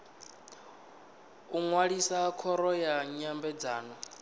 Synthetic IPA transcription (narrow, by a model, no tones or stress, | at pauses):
uŋwaɺisakʰɔɾɔjaɲambɛd͡zaːnɔ